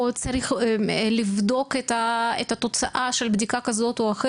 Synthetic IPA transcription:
ot͡saʁiχlivd̪o̞ket̪aet̪at̪o̞t͡saʔaʃelbd̪ikakazo̞t̪oaxe

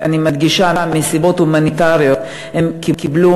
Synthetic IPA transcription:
animad̪ɡiʃaamesibo̞t̪humanitaʁjo̞t̪ | he̞mkikiblu

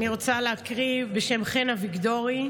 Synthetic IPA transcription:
niʁot͡saleakʁibeʃe̞mχenaviɡdoʁi

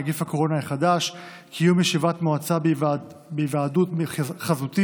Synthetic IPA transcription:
ɡifhako̞ʁo̞najiχadaʃ | kʰijumjeʃivat̪moat͡sabvbevaːdutχazuti

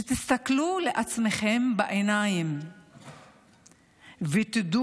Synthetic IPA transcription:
et̪ist̪akluleʔat͡smeχembaʔenajim | vet̪ed̪u

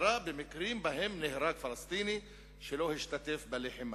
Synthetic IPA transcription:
ɾˤɑːʔbɪmɪkɾiːmbaɦɪmnɪhɾaːkfɑlɑst̪iːni | ʃɪlohɪʃt̪at̪ɪfbɪlɪħɪm

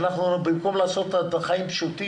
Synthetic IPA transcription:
naχnubimko̞mlaːso̞t̪ataχaimpʃut̪i

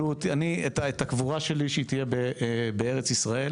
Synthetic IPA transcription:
ut̪anietaet̪akvuʁaʃe̞liʃeit̪ijebebee̞ʁet͡sisʁae̞

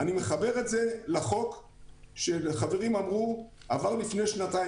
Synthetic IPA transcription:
anime̞χabe̞ʁe̞tze̞laχo̞k | ʃeχave̞ʁimamʁu | avaʁlifne̞jʃnataj

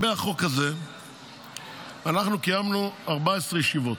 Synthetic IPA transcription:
beaχo̞kaze̞ | anaχnukajamnuaʁbaesʁejeʃivo̞t

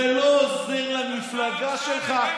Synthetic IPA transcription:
eloːzenlamiflaɡaʃelχa

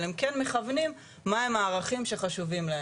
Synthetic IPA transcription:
emkenmeχavnimː | aemaːʁaχimʃe̞χaʃuvimlae

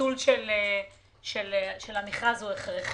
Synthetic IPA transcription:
ulʃele | ʃelʃelamiχʁazueχʁeχ

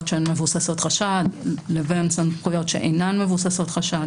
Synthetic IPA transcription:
tʃeenmevusaso̞t̪χaʃadlevensanpχujo̞tʃḛʔḛjnanme̞vusaso̞tχaʃad

